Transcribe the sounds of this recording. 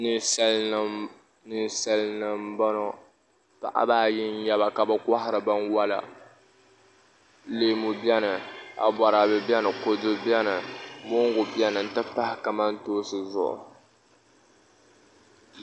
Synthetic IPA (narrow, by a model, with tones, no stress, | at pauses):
nɨ˦sa˦l | nɨ˨sa˦lnɨ˨m̩˦ba˦nɔ˦ | pa̰˨ʔa̰˦baː˦˨jɪ˦n˦jɛ˦βa˨ka˨bɨ˦kʷa˦hɪ˦ɾɨ˨ba˦nwa˦la̰˨ | leː˦mu˨bi˦ɛ˦nɨ˨a̰˨ba˨ɾa˨bɨ˨bɛ˦nɨ˨ko˨dɨ˦bɛ˦nɨ˨mo˦ŋ˦ɡʊ˨bi˦ɛ˦nɨ˨n̩˨tɨ˦pa˦hɪ˦ka˨ma˦n˦toː˦sɨ˨zʊ̰˨ʔʊ̰˨